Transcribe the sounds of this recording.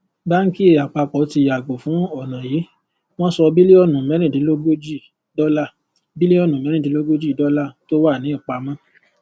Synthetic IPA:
ba˦ŋ̩˦ki˦e˦˨a˨k͡pa˧k͡pɔ˨ti˧ja˨ɡ͡bo˨fũ˨˦ɔ˦˨nã˨jiː˨˦ | w̃ɔ̃˦sɔ˧bi˦le˦ɔ˦˨nũ˨mɛ̃˨˦ɾ̃ĩ˦˨di˨˦lo˦ɡo˦d͡ʒi˦˨ | dɔ˦la˦˨ | bi˦le˦ɔ˦˨nũ˨mɛ̃˨˦ɾĩ˦˨i˨˦lo˦ɡo˦d͡ʒi˦˨dɔ˦la˦˨to˦wa˦˨nĩ˨˦ĩ˦˨k͡pa˧mã˦

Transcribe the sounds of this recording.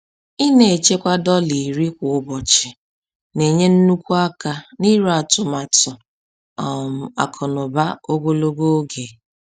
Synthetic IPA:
i˦ne˨e˨t͡ʃe˦kʷa˦dɔ˦li˨ɾi˦kʷʊ˨ʊ˦bɔ˨t͡ʃɪ˨ | ne˨ɲe˦n̩˦nu˦kʷu˦a˦ka˦ni˦ɾu˦a˨tʊ˨ma˨tʊ˨ | ɔ˨m̩˨a̰˨kʰɔ˨nʊ˨ba˦o˦ɡo˦lo˦ɡo˦ɡe˨

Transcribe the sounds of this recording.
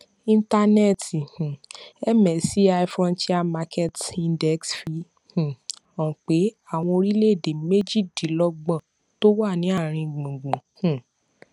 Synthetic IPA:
ĩ˧n˦ta˧nɛ˦˨tĩ˨ɛ˦mɛ˨si˦a˧i˧˦fɾɔ̃˧nti˦a˦ma˧kɛ˦tĩ˧ndɛ˨˦ksfi˧ | h̩˨ | ɔ˨k͡pe˨˦a˦˨w̃ɔ̃˧o˧ɾi˦le˦˨de˨˦me˦d͡ʒi˦˨di˨˦lɔ˧ɡ͡bã˦˨ | to˦wa˦˨nĩ˨˦a˦˨ɾ̃ĩ˧˨ɡ͡bũ˨ɡ͡bũ˨hũ˨

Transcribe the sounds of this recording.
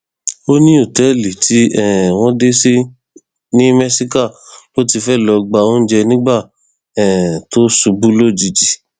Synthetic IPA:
o˦nĩ˦o˦˨tɛ˨˦li˨ti˨˦ɛ˨w̃ɔ̃˦de˦si˦ | nĩ˦mɛ˦si˦ka˦˨lo˦ti˧fɛ˦˨lɔ˧ɡ͡ba˧õ˦d͡ʒɛ˧nĩ˦ɡ͡ba˦˨ | ɛ˨to˦su˧bu˦lo˦˨d͡ʒi˨d͡ʒi˨

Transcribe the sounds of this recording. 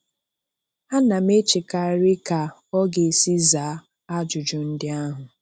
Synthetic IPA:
a˦na˨me˦t͡ʃɪ˨ka˨ɾɪ˦ka˨ | ɔ˦ɡe˨si˦za˨˦ | a˦d͡ʒʊ˨d͡ʒʊ˨n̩˦dɪ˦a˦ɦʊ˨

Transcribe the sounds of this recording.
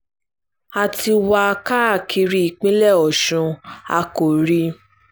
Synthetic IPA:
a˨ti˧wa˧ka˦a˦˨kʰi˧ɾi˧i˨k͡pĩ˦lɛ˦˨ɔ˨ʃũ˧a˧ko˨ɾi˧˦

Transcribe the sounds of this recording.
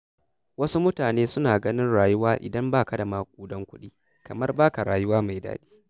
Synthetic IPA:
wɐ˦su˦mʊ˦taː˨neː˦sʊ˦naː˨ɡɐ˦nɪ˦nɽaː˨jʊ˦waː˦ʔɪ̰˨dɐ˦mbaː˦˨ka˦da˨maː˦k̚ʷʼuː˦dɐ˦ŋkʷʊ˦ɗiː˦ | kɐ˨mɐ˦rbaː˦ka˨ɾaː˨jʊ˦waː˦ma˨jda̰ː˦ɗiː˦

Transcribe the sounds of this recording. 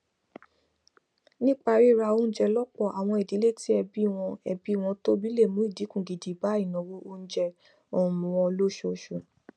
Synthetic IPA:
nĩ˦k͡pa˧ɾi˦ɾa˧o˦ñ̩˦d͡ʒɛ˧lɔ˦k͡pɔ˦˨a˨w̃ɔ̃˧i˨di˨˦le˦ti˦ɛ˧bi˦˨w̃ɔ̃˧ɛ˧bi˨˦˨w̃ɔ̃˧to˦bi˦le˦˨mũ˨˦i˦˨di˨˦kũ˦˨ɡi˨di˨˦ba˦i˦˨nɔ̃˨wo˦o˦n̩˦d͡ʒɛ˧ | ɔ̃˧˨mũ˨wɔ̃˧lo˦ʃɔ˧ʃo˨

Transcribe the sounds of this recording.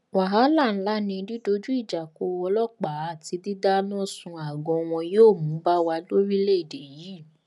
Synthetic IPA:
wa˨ɦa˨˦la˦˨n̩˦la˦nĩ˧˦di˦do˧˦d͡ʒu˦i˦˨d͡ʒa˨ko˨˧ɔ˧lɔ˦˨k͡pa˨˦˨ti˨˧˦di˦da˦nãː˦˨sũ˧a˨ɡɔ̃˧w̃ɔ̃˧joː˦˨mũ˨˦ba˦wa˧lo˦ɾi˦le˦i˨de˨ji˨˦

